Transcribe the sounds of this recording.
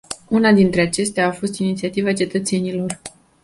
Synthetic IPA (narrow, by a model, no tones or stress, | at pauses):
unad̪int̪ɾe̞at͡ʃe̞st̪eaːfo̞st̪init̪siat̪ivat͡ʃe̞t̪ət̪se̞nilo̞r